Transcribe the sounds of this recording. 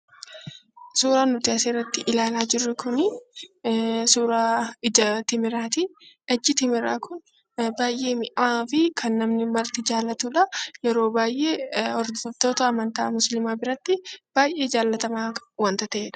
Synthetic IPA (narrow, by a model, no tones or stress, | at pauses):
suːɾaːnʊt̪ɪɐseːrːɐt̪ːɪʔɪlaːlaːd͡ʒɪrːɛkʊnɪ | suːɾaːɪd͡ʒɐt̪ɪmɪɾaːt̪ɪ | ɐd͡ʒːɪt̪ɪmɪɾaːkʊn | baːjʔe̞ːmɪʔaːfɪkʰɐnːɐmnɪmɐɾt̪ɪd͡ʒaːlːɐt̪uːᶑɐjɛɾo̞ːbaːjʔe̞ːɔɾd̪ɐbt̪oːt̪ɐːmɐnt̪aːmʊslɪmaːbɪɾɐt̪ːɪb̥aːjʔe̞ːd͡ʒaːlːɐt̪ɐmaːwɐnt̪ɐt̪ɐʔeːᶑɐ̥